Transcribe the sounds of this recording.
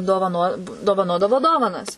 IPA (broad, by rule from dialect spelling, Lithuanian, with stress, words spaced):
doːʋɐˈnoː doːʋɐˈnoːdɐʋoː ˈdoːʋɐnɐs